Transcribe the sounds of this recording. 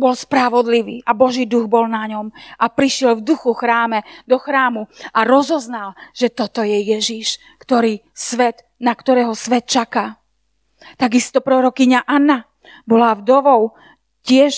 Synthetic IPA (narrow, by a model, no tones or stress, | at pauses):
bɔlspɾaʋɔd̪liʋiːʔabɔʒiːd̪uɣbɔlnaɲɔmʔapɾiʃɪɛlvd̪uxuxɾaːmɛd̪ɔxɾaːmuʔaɾɔzɔznalʒ̥ɛt̪ɔt̪ɔjɛjɛʒiʃ | kt̪ɔɾiːsʋɛt̪ | nakt̪ɔɾɛːɦɔsʋɛt̪̚t͡ʃakaː | t̪aɡist̪ɔpɾɔɾɔkiɲaʔanːa | bɔlavd̪ɔʋɔʊ | cɪɛʃ